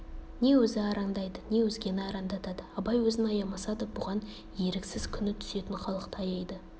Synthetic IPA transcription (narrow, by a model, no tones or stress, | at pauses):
ne̞wɵzɪɑɾɑɴd̪ɑjd̪ənʲe̞wɵzɡʲe̞nɪɑɾɑnd̪ɑt̪ɑd̪əɑbɑjwɵzɪnɑjɑmɑsɑd̪əbʊʁɑn | je̞ɾɪksɪz̥kʲʰʏnɪt̪ʰʏ̥se̞t̪ɪnχɑlˠəqt̪ɑjɑjd̪ə